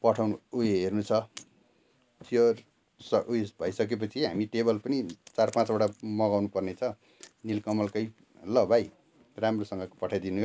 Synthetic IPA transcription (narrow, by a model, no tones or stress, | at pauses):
pʌʈʰawnuueɦernut͡sʰʌ | t̪o | sʌujebʱʌjsʌk̬ep̬ʌt͡sʰiɦa̰miʈebʌlpʌnit͡sarpãt͡sbaɽamʌɡawnupʌrnet͡sʰʌ | nilkʌmʌlkʌj | lʌbʱaj | ramrosʌŋɡʌkpʌʈʰajd̪inuɦo